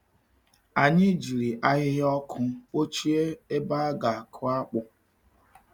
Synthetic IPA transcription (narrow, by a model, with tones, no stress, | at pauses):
a˨ɲɪ˦d͡ʒi˨ɾi˨ʔa˦ɣɪ˦ɦɪ˦ɔ˦kʰʊ˦o˦t͡ʃi˦e˦e˦ba˦a˦ɡa˨a˨kʰʊ˦a˦k͡pʊ˨